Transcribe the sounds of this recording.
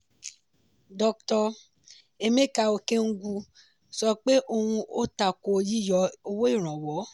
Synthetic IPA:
dɔ˧k̚tɔ˧ | e˧mẽ˦˨ka˧˨o˧ke˦ŋ̩˦ɡu˧ | sɔ˧k͡pe˦ʔo˧hũ˧o˦ta˨ko˧˨ji˦˨jɔ˨˦o˧wo˦i˦˨ɾ̃ã˨wɔ˨˦

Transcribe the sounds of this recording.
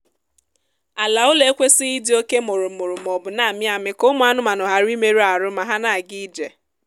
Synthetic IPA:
a˨la˨ʊ˦le˦e˦kʷe˦sɪ˦i˦dɪ˦o˦ke˦mʊ˨ɾʊ˨mʊ˨ɾʊ˨m˨ɔ˨bʊ˨na˨mɪ˦a˨mɪ˦ko˦mʊ˨˦a˦nʊ˦ma˨nʊ˨ɦa˨ɾi˦me˦ɾu˦a˨ɾʊ˦ma˨ɦa˦na˨ɡi˦d͡ʒe˨

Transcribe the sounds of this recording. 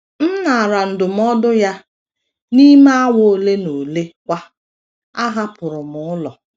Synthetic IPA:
n̩˦na˨a˨ɾa˨n̩˨dʊ˨m̩˦ɔ˦dʊ˦ja˦ | ni˦m˦a˦wo˦le˦no˨le˦kʷa˦ | a˦ɦa˦pʊ˨ɾʊ˨mʊ˨ʊ˦lɔ˨

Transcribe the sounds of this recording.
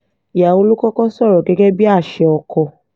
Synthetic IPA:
i˨ja˨o˧lu˦kɔ˦kɔ˦sɔ˦˨ɾɔ˨ɡɛ˨˦ɡɛ˦bi˦a˦˨ʃɛ˧ɔ˧kɔ˧

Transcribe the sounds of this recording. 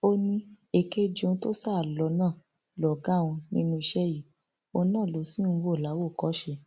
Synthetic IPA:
o˦nĩ˧ | e˧˨ke˦d͡ʒõ˦˧˦to˦sa˦˨lɔ˧˦nãː˦˨ | lɔ˨ɡa˦˨wũ˧nĩ˦nũ˦i˧ʃɛ˦ji˦˨ | o˧nãː˦˨lo˨˦sĩ˦n̩˧wo˦˨la˨˦wo˦˨kɔ˨˦ʃɛ˧

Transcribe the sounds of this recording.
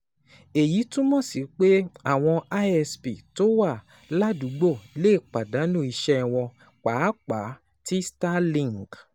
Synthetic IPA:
e˨ji˨˦tũ˦mɔ̃˦˨si˨˦k͡pe˦a˦˨w̃ɔ̃˧a˦ɛ˧spi˨to˦wa˦˨ | la˦du˨˦ɡ͡bo˦˨le˦˨k͡pa˨da˨˦nũ˦˨i˧ʃɛ˦˧w̃ɔ̃˧ | k͡pa˨˦k͡pa˨˦ | ti˦sta˦lĩ˦˨ŋɡ

